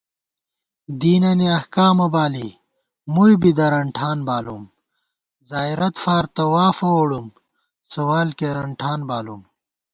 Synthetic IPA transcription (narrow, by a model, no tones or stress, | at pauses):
d̪iːnɐniɐhkaːmɐbaːli | mujbid̪ɐɾɐɳʈʰaːnbaːlum | zaːiɾɐt̪faːɾt̪ɐwaːfɐwoɽum | sɐwaːlkeɾɐɳʈʰaːnbaːlum